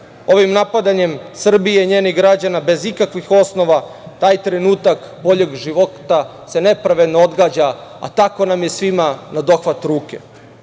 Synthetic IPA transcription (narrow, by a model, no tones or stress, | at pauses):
o̞ʋimnapad̪aɲe̞msr̩bijeiɲe̞ːniɡɾad͡ʑanabe̞zikakʋixo̞sno̞ʋat̪aːjt̪ɾe̞nuːt̪ak | bo̞ʎe̞ɡʒiʋo̞t̪a | se̞ne̞pɾaʋe̞d̪nood̪ɡaːd͡ʑaa̰t̪ako̞namje̞sʋimanad̪o̞xʋat̪ɾuːke̞